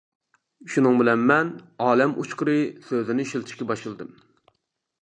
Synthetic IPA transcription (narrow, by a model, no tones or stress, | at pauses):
ʃunɨŋbɪlɛnmɛnɑːlɛmʔṵt͡ʃqəɾɨsøzɪnɪʃilˠt̪ʰɪ̥ʃkʲɛbɑʃɨlˠɨd̪ɨm